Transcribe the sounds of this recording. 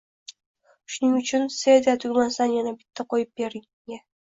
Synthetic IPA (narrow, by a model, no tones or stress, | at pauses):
ʃʊnɪŋʊt͡ʃʰʊnsed̪at̪ʰʊɡʲmansanjanabɪt̪ʰːaqʰojɪp̚beɾɪŋ | a